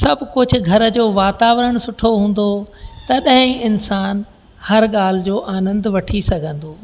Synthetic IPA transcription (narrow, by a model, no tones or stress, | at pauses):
sɐbʱkʊd͡ʑʱʊ̆ɡʱɐɾəd͡ʑoːʋaːt̪aːʋɾəɽ̃sʊʈʰoɦũːn̆d̪ot̪ɐɗɦɪ̃ɪnsaːn | hɐɾɠaːl̤ɪd͡ʑoːʔaːnə̃nd̪ʋɐʈʰisɐɡʱə̃nd̪oː